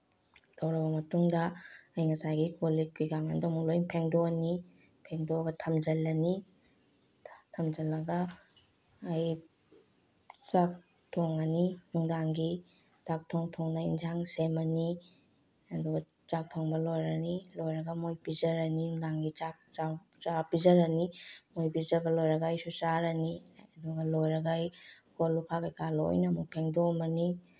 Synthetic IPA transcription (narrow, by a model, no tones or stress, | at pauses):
d̥ɐwɾɐbɐmɐtuŋdɐːjŋɐsajɡikolikʰujɡamandɔmulojpʰeŋdoɐni | pʰeŋdoɡɐtʰɐmzɐlːɐni | tʰɐmd͡ʒɐlːɐɡɐː | j | t͡ʃak̚ | tʰoŋɐninuŋdaŋɡi | t͡ʃak̚tʰoŋtʰɔŋnɐind͡ʒaŋsemɐni | ɐduɡɐ | t͡ʃak̚tʰoŋbɐlojɾɐnilojɾɐɡɐmojpizɐɾɐninuŋdaŋɡit͡ʃak̚t͡ʃa | t͡ʃapizɐɾɐnimojbizɐɾbɐlojɾɐɡajsut͡ʃaɾɐniɐduɡɐlojɾɐɡaj | kolːukʰakajkalo̰jnɐmuk̚pʰeŋdomɐni